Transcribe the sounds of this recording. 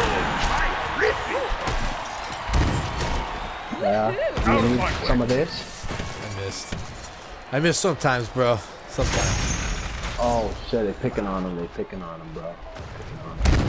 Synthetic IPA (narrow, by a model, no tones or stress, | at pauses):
jæd̥ɨjɨnidsʌ̃mʌvðɪs | aɪmɪst̚ | aɪmɪstsʌ̃mtʰãɪ̃mzbɹo | sʌ̃mtʰãɪ̃mz̥ | oʊʃɛðeɪ̥pʰɪkɨ̃nɑnə̃mðeɪ̥pʰɪkɨ̃nɑ̃nə̃mbɹo | ðeɪpʰɪkɨ̃nɑ̃nə̰̃m